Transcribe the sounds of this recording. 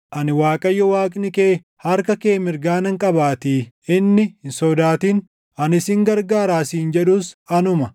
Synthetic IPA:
ʔɐnɪwaːkʼɐjːɔwaːkʼnɪkeː | hɐɾkɐke̞ːmɪɾɡaːnɐŋkʼɐbaːt̪iː | ɪnːɪhɪnsɔd̪aːt̪iːn | ɐnɪsɪŋɡɐɾɡaːɾaːsiːnd͡ʒɛᶑuːsɐnʊmɐ

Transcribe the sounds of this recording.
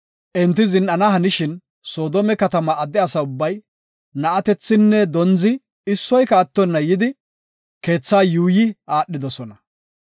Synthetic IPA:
ʔɛnt̪ːɪzɪnʔɐnɐɦɐnɪʃɪn | so̞ːd̪ɔmɛkɐt̪ɐmɐʔːd̪ɛɐsɐʊbːɐj | nɐʔɐt̪ɛt͡sːɪnːɛd̪ɔnzɪ | ɪsːɔjkɐːt̪ːɔnːɐjɪd̪ɪ | ke̞ːt͡sːaːjuːjɪaːɗːɪd̪ɔsɔnɐ

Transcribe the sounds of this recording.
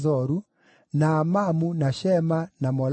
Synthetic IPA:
zɔɾu | naːmamunaʃɛmanamɔl

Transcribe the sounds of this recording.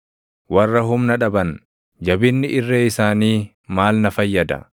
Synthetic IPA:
wɐrːɐɦʊmnɐᶑɐbɐn | d͡ʒɐbɪnːɪʔɪrːeːɪsaːniː | maːlnɐfɐjːɐd̪ɐ̰

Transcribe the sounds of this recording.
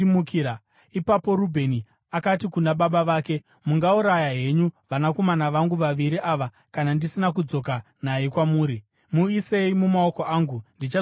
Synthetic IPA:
mukiɾa | ipapo̞ɾubʱe̞ni | akatikunaɓaɓaʋaːke̞ | muŋɡauɾajaɦe̞ɲuʋanako̞manaʋaŋɡuʋaʋiɾiʔaʋa | kanandisinak̬ud͡zo̞ka | najikwamuːɾi | muise̞imumao̞ko̞ʔaːŋɡundit͡ʃa

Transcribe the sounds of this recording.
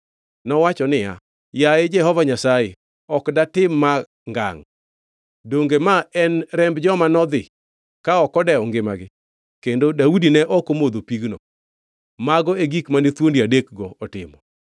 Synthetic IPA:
nɔwat͡ʃɔnɪja̰ | jaed͡ʒɛɦɔvaɲasaje | ɔkdatɪmːa | ŋɡa̰ŋ | doŋɡemaɛnɾɛmbd͡ʒɔmanɔd̪ɪ | kaɔkɔdɛɔŋɡɪmaɡɪ | kendodaudinɛʔɔkomod̪opiɡnɔ | maɡɔeɡikmanet̪wondiadek̚ɡɔːtɪ̰mɔ

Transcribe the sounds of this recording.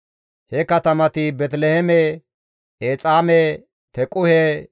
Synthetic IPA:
hɛkɐt̪ɐmɐt̪ɪbɛt̪lɛhɛme | eːt͡sʼaːme | t̪ɛkʼʊhe

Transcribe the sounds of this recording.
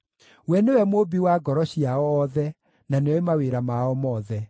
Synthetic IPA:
wɛnewɛmobiwaɡɔɾɔɕiaɔːðɛ | naneɔemaweɾamaɔmɔːðɛ

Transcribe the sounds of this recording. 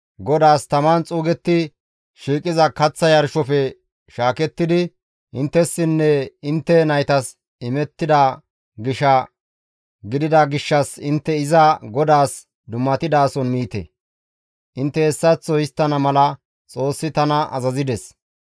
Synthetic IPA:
ɡɔd̪aːst̪ɐmant͡sʼuːɡɛt̪ːɪ | ʃiːkʼːɪzɐkɐt͡sːɐjɐɾʃɔfɛ | ʃaːkɛt̪ːɪd̪ɪ | ʔɪnt̪ːɛsːɪnːɛɪnt̪ːɛnɐjt̪ɐs | ɪmɛt̪ːɪd̪ɐ | ɡɪʃɐ | ɡɪd̪ɪd̪ɐɡɪʃːɐsɪnt̪ːɛɪzɐɡɔd̪aːs | d̪ʊmːɐt̪ɪd̪aːsɔnmiːt̪ɛ̰ | ʔɪnt̪ːɛɛsːɐt͡sːɔjɪst̪ːɐnɐmɐlɐ | t͡sʼo̞ːsːɪt̪ɐnɐʔɐ̰zɐzɪd̪ɛs

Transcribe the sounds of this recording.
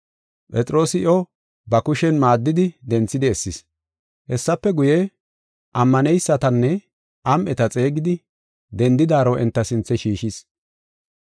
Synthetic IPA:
pʼɛt͡sʼɾo̞ːsɪɔ | bɐkʊʃɛnmaːd̪ːɪd̪ɪd̪ɛnt͡sːɪd̪ɛɛsːɪs | hɛsːɐpːɛɡʊjɛ | ʔɐmːɐnɛjsːɐt̪ɐnːɛ | ʔɐmʔɛt̪ɐt͡sʼe̞ːɡɪd̪ɪ | d̪ɛnd̪ɪd̪aːɾoʔɛnt̪ːɐsɪnt͡sːɛʃiːʃis

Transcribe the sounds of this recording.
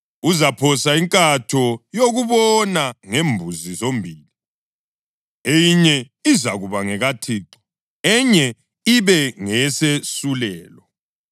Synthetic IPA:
uzapʰɔsaiŋkʼatʰɔjoɣuβɔnaŋembʱuzizombʱiːli | ejiɲɛ | izaɣuβaŋɛɣatʰiǃɔ̥ | ɛɲɛ | iβɛŋɛsesulɛːlɔ

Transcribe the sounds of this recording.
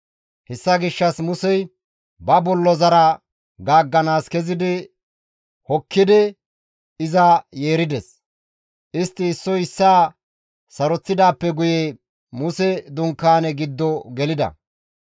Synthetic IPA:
hɛsːɐɡɪʃːɐsmʊsɛj | bɐbɔlːɔzɐɾɐ | ɡaːɡːɐnaːskɛzɪd̪ɪ | hɔkːɪd̪ɪ | ɪzɐje̞ːɾɪd̪ɛs | ʔɪst̪ːɪːsːɔjɪsːaː | sɐɾɔt͡sːɪd̪aːpːɛɡʊjɛ | mʊsɛd̪ʊŋkːaːnɛɡɪd̪ːɔɡɛlɪd̪ɐ̰

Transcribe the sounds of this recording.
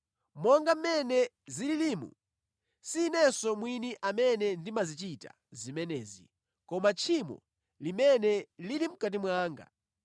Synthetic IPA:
mɔŋɡam̩mɛnɛ | zililimṵ | siːnɛsɔmwiniʔamɛnɛndimazit͡ʃita̰ | zimɛnɛːzḭ | kɔmat͡ʃʰimɔ̰ | limɛnɛlilim̩kat̬imwaːŋɡa̰

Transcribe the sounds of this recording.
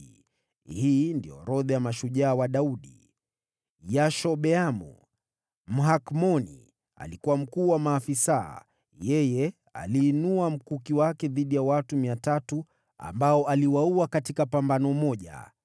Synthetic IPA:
hiːndijɔ̰ɾɔðɛjamaʃuʄaːwaɗauɗi | jaʃɔɓɛamṵ | m̩ɦakmɔnḭ | a̰likuwam̩kuːwamaːfisa̰ | jɛjɛ | a̰liːnuam̩kukiwakɛðiɗijawatumiatatu | a̰mbaɔʔaliwauakatikapambanɔmɔʄa̰

